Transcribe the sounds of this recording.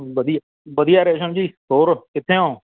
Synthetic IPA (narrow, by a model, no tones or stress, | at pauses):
ʋəd̪ija | ʋəd̪ijaːɾeːʃənd͡ʒiːɦoːɾkɪt̪ʰːẽːõː